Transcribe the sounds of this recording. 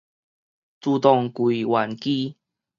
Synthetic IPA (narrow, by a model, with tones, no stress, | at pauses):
t͡su˧t̪ɔ˧˩ŋkwi˨˩wa˨˩nki˦